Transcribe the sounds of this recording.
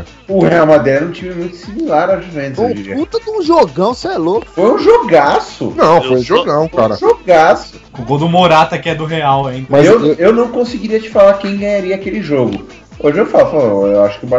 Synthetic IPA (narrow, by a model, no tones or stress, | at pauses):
ʊheawmad̪ɛɾnɐ̃w̃t͡ʃĩvɐmũj̃t̪ʊsĩmilaɾad͡ʒifɾẽt̪ẽd͡ʒiɾiɐut̪ɐd̪ũʒoɡɐ̃w̃sɛlokʊ̥fojũʒoɡasʊ̰nɐ̃w̃fojũʒoɡɐ̃w̃kaɾɐ̰ʒoɡasʊ̥ | ʊɡowd̪ʊmoɾat̪ɐkɪɛd̪ʊɦeawaĩmɐzewewnɐ̃w̃kõsɪɡiɾiɐt͡ʃɪ̥falakẽj̃ɡɐ̃ɲaɾiɐːkelɪʒoɡʊ | oʒɪewfalfaõewaʃʊ̥kɪʊba